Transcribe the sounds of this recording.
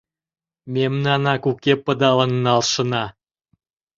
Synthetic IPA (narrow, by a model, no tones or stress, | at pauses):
memnɑnɑkukepə̆d̪ɑlə̆nːɑlʃə̆nɑ